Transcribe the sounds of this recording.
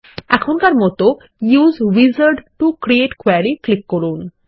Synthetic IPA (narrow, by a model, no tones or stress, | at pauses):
ɛkʰonkaɾmɔt̪o | juzʋizəɾɖʈukɾieʈkwaɾiklikːɔɾun